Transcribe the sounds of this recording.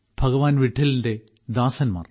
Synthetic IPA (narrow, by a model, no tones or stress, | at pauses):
b̥ʱɐɡɐʋaːnʋiʈʰːilinde̞ | d̪aːsɐnma̰ːr